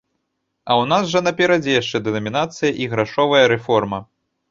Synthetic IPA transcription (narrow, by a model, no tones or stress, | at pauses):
ɐwn̪asʐɐnɐpʲɛɾɐd͡zʲɛjaʂt͡ʂɛd̪ɛnɐmʲinat̪sɨjɐʔiɣɾaʂɔvɐjɐɾɛfɔrmɐ